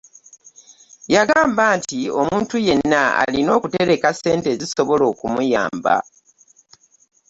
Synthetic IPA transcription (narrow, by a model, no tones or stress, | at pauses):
jaɡaːmbaːntio̞muːntuje̞nːaa̰lino̞ːkute̞ɾe̞kase̞ːnte̞ziso̞βo̞lo̞ːkumuja̰ːmba̰